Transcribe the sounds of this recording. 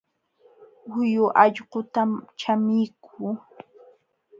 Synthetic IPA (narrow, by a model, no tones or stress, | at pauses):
wʊjʊʔɑʎɢot̪amt͡ʃamɪjkʰʊː